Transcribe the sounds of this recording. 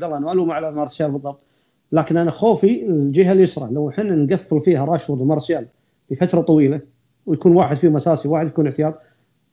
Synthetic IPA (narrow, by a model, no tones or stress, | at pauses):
alːʔanmaːluːmaʕalamɑɾˤɑsjaːlbɨðˤːɑbt̪ˤ | laːkɪnʔanaxoːfid͡ʒɪɦalːijɪsɾˤɑ̰ʕlawħɪnːnɡafːɪlfiːhaɾˤɑːʃt̪ʊlmɑɾˤɑsjaːl | bəfat̪ɾˤɑt̪ˤɑwiːla | wjakuːnwaːħɪd̪fimasaːsiwaːħɪd̪jakuːnəʕt̪ɪjaːd̪̚ˤ